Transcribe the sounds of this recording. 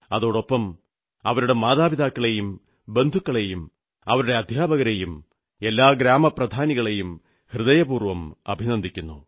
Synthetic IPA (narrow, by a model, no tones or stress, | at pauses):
ɐðoːɽo̞pːɐm | ɐ̰ʋɐɾuɽe̞maːðaːbiðaːkːɐɭe̞jum | be̞nd̪ʱukːɐɭe̞jum | ɐ̰ʋɐɾuɽe̞ɐd̪ʱjaːbʱɐɣɐɾe̞jum | e̞lːaːɡɾaːmɐprɐd̪ʱaːniɣɐɭe̞jum | hrɨðɐjɐbuːrʋɐmɐ̰bʱinɐnd̪ʱikʲːunːṵ